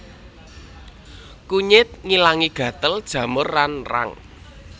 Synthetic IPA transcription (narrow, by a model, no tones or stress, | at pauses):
kuɲɪt̪̚ŋilaŋiɡ̥ä̤t̪əld̥ʒ̥ä̤mʊrːanra̰ŋ